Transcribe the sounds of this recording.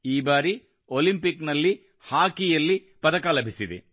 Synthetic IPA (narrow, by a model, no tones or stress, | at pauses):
iːbaːɾi | olimpiknɐlːi | haːkijɐlːi | pɐd̪ɐkɐlɐbʱisid̪ḛ